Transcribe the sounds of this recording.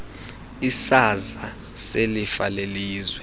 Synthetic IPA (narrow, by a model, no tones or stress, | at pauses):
isaza | selifaleliːzwɛ